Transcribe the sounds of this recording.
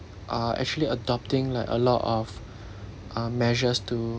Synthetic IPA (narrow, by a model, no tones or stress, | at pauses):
ʔaɛ̰k̚t͡ʃuəliədɔp̚tɪ̃ŋlaɪkə̰lɔtɔf | ʔamɛʒəstu